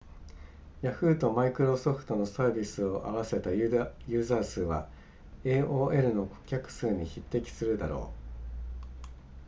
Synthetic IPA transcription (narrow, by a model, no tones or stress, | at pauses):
jaɸɯ̟ːt̪o̞maikɯ̟ɾo̞so̞ɸɯ̥t̪o̞no̞saːbʲisɨo̞ʔaβ̞ase̞t̪ajɯ̟ːzaːsɨːβa̰ | e̞ːʔo̞ːʔe̞ɾɯ̟no̞kʰo̞̥kʲakɯ̟̥sɨːɲ̟içit̪ːe̞kʲi̥sɨɾɯ̟d̪aɾo̞̰ː